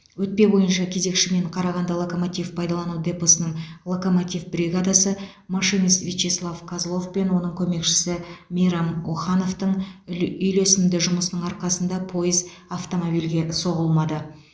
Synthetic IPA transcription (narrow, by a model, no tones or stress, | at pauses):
wɵt̪̚pe̞bo̞jənʃɑkʲʰe̞ze̞kʃɪme̞ɴqʰɑɾɑʁɑnd̪ɑlˠoko̞mot̪ivpʰɑjd̪ɑlˠɑnud̪eposənəɴlˠo̞ko̞mot̪ivbrʲiɡad̪asə | maʃɨnist̪vʲit͡ʃeslˠavkʰazlˠo̞fpe̞nwo̞n̪əɴkʲʰɵme̞kʃɪ̥sɪmijɾɑmwoχɑno̞ft̪əɴʏjlesɪmd̪ɪʒʊməsənəɴɑɾqɑsənd̪ɑpʰo̞jəz | aft̪o̞mo̞bijlɡʲe̞so̞ʁəlˠmɑd̪ə